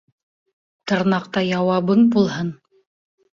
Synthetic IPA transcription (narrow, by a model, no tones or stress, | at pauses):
t̪ɤ̆ɾnɑqt̪ɑjɑwɑβɤɴbulˠɦɤn